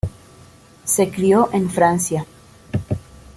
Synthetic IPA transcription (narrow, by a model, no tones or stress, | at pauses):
se̞kɾioʔenfɾansja